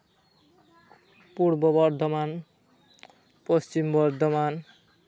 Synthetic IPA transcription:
puɾbɔbʌɾd̪ʱɔman | pʌst͡ʃimbʌɾd̪ʱɔman

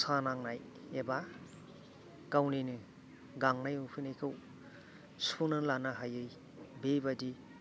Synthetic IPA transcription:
sanaŋnaj | eba | kawninɯ | ɡaŋnajupʰɯnajkʰɯw | sunɯlanaɦajɯj | bebadi

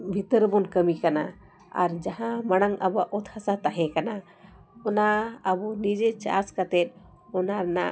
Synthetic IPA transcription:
bʱit̪əɾbɔnkəmikana | a̰ɾd͡ʒaɦãmaɽ̃aŋabɔaʔɔt̪hasat̪aɦɛ̃kana | ɔnaəbɔnid͡ʒɛt͡ʃa̰skat̪ɛt̪̚ | ɔnana̰

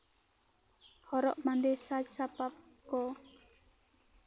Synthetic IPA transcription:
hɔɾɔ̰ʔmand̪esad͡ʒsapap̚ | kɔ

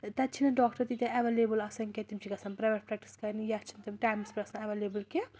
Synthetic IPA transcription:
t̪ɐt͡ʃʰinɐɖɔːkʈɐɾt̪it̪ʲɐ̃ɐʋeːleːbɨlɐsɐnkʲet̪imt͡ʃʰikɐsɐmpɾɐʋɐʈ̚pɾɛk̚ʈi̥skɐɾnijɐɐt͡ʃʰint̪ɐmʈaːjmspiɾɐsɐnɐʋeːleːbɨlke

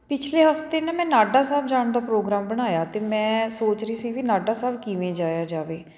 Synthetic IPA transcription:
pɪt͡ʃʰleːɦəft̪eːnẽːmɛ̃ːnaːɖaːsaːbd͡ʒaːɳd̪aːpɾoːɡɾaːmbəɽ̃aːjaːt̪eːmɛ̃ːsoːt͡ʃɾəiːsiːʋiːnaːɖaːsaːbkiʋẽːd͡ʒaːjaːd͡ʒaːʋeː

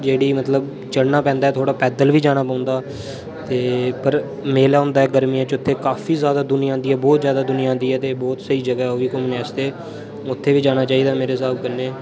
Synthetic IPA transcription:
d͡ʒeːɽiːmət̪ləb | t͡ʃəɽnaːpɛ̃ːnd̪aɛːt̪ʰoːɽaːpɛːd̪əlʋiːd͡ʒaːɽ̃aːpãːnd̪aː | t̪eːpəɾ | meːlaːɦʊ̃nd̪aːɛːɡəɾmijãːt͡ʃʊt̪ʰːeːkaːfʰiːzjaːd̪aːd̪ʊnɪjãːnd̪iːɛːbɔːt̪zjaːd̪aːd̪ʊnɪjãːnd̪iːɦɛːt̪eːbɔːt̪səiːd͡ʒəɡaːɛoːʋiːkɔːmnɛːst̪eː | ʊt̪ʰːeːʋiːd͡ʒaːñaːt͡ʃaːiːd̪aːmeːɾeːs̬aːb̚kəneː

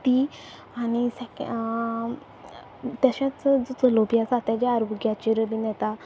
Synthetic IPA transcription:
t̪i | aɽ̃isɛk | t̪jaɕãt͡sd͡zɔt͡səlobijasat̪jad͡ʑaaɾoɡjat͡ɕiɾəbinɛt̪a

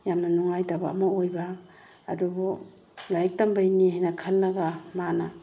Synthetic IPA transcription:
jamnɐnuŋajtabaːmɐojbaː | dubu | lajk̚tɐmbajniɦajnɐkʰɐlːɐɡamana

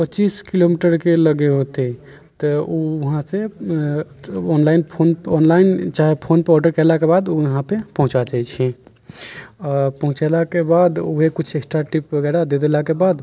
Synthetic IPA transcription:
pət͡ʃiskilomiʈəɾkeləɡeɦot̪e | t̪ɔuɦãse | ɔnlainpʰonɔnlaint͡ʃaɦepʰonpeɾɔɖəɾkɛlakebad̪oəɦãpepɔɦũt͡ʃat͡ʃait͡ʃʰi | ɔpəɦũt͡ʃelakebad̪oɦekut͡ʃʰeksʈɾaʈipbəɡɛɾad̪ed̪elakebad̪

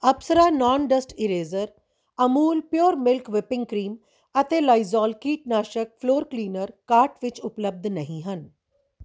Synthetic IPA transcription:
ɐbsəɾaːnɔːnɖəsʈɪɾeːzəɾ | ɐmuːlpjoːɾmɪlkʋɪpɪ̃ŋɡkɾiːm | ət̪eːlaːizɔːlkiːʈ̚naːʃək̚pʰloːɾkliːnəɾkaːɾʈʋɪt͡ʃʊpləb̚d̪ʱnɐɦĩɦən

